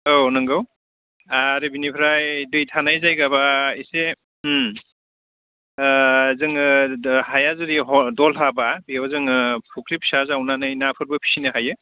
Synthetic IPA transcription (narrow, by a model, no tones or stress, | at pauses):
onɯŋɡɯw | aɾibinipʰɾajdɯjtʰanajzajɡabaise | zɯŋhajazɯɾiɦɔdɔlɦababiawzɯŋɯpʰukʰɾip̚sazawnanɯjnapʰɯɾbɯpʰi̥sinɯɦajɯ